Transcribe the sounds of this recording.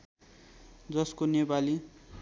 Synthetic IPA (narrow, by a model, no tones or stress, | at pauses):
d͡zʌskonepali